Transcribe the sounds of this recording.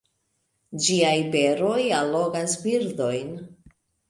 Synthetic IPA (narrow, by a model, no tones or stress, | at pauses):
d͡ʒiajbe̞ɾo̞jalːo̞ɡasbiɾdo̞jn